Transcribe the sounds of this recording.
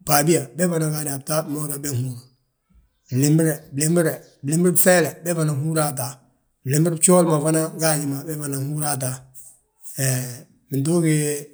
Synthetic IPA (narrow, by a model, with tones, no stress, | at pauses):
pa˨bi˦ja˨bɛ˦va˦na˨ɡa˨da˨b̚ta˦bmɔ˦da˨bɛ˦hu˦ɾa˨ | blɪ˨mbɪ˦ɾɛ˨blɪ˦mbɪ˦ɾɛ˨ | blɪ˦mbɪ˦ɾbfɛ˦lɛ˨bɛ˦va˨na˨ɦu˦ɾa˦ta˨ | lɪ˨mbɪ˦ɾt͡ʃɔː˦lma˨va˦na˦ɡa˦ɲɪ˨ma˨bɛ˦va˨na˨hu˦ɾa˦t̬a˦ | ɛ˨ | mɪ˨ndo˦ɡɪ˦